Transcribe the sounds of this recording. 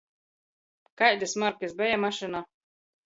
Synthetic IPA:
kajd̪ʲɨsmaɾkisbɛjamaʃɨna

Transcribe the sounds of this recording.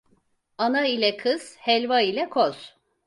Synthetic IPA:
anailʲɛkʰɯz̥hɛlʲvailʲɛkʰoz̥

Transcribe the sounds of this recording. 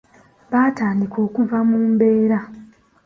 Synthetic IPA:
βaːtaːndiko̞ːkuvamuːmbe̞ːɾa

